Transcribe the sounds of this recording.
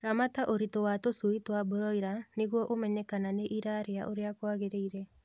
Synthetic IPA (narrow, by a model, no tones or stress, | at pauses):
ɾamataʔoɾitowatosuitwaboɾɔiɾaneɣwɔʔomɛɲɛkananeʔiɾaɾeaʔoɾeakwaɣeɾeiɾɛ